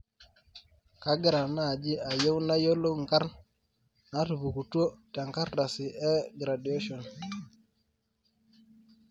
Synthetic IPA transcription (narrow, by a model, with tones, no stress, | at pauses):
ka˦ɡɪ˦ɾa˨na˦˨d͡ʒi˦a˨je˦wna˦jo˦lo˦ŋ˨ka˦ɾn | na˦tu˨βu˨ku˨tu˦o˦ta˨ŋka˦ɾda˨si˨ʔɛ˦ɡɾa˨dje˦ʃɔ˨n